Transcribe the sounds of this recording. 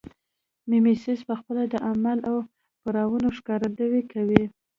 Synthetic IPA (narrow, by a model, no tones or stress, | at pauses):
mimisɪspəxpəlad̪əʔamalaw | paɾɑwunoʂkɑɾad̪awekawi